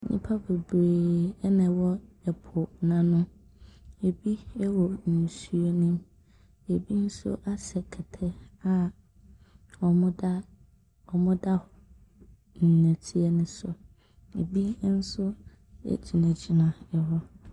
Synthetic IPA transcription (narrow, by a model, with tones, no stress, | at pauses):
ɲḭ̃˦pʰa˦be˨bɾeː˨ɛ˦nã˨wɔ˦ɛ˨pʰʊ˨nã˨nʊ̃˦ | e˨bi˦ɛ˦wɔ˨nu˨su˦o˦nĩ˦m | e˨bi˦n̩˦sʊ̰˦ʔa˦sɛ˨kʰɛ˨tʰɛ˦a˦ | ɔ˨mʊ̃˦da˦ | ɔ˨mʊ̃˦da˦h | n̩˨næ̃˨tʰi˦ɛ˦nʊ̃˦sʊ˨ | ḛ˨bi˦n̩˦sʊ˦ | ɛ̰˦d͡ʑi˨nɛ̃˨d͡ʑi˨nã˨ɛ˨ɦɔ˦